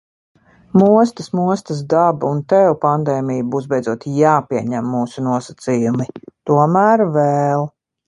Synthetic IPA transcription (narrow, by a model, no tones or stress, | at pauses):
muɔst̪əsmuɔst̪əs̬d̪abunt̪ɛwpand̪ɛːmijbuːsbɛjd̪zuɔt̪jaːpiɛɲæmːuːsunuɔsat̪sijumit̪uɔmæːɾvɛːlˠ